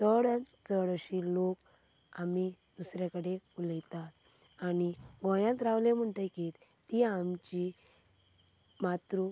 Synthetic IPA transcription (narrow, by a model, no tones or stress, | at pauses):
t̪əɽãt͡səɽɕilok | ami | d̪usɾakəɽeuljt̪at̪ | aniɡɔ̃jãt̪ɾaʋlem̤əɳʈakit̪iamt͡ɕi | mat̪ɾu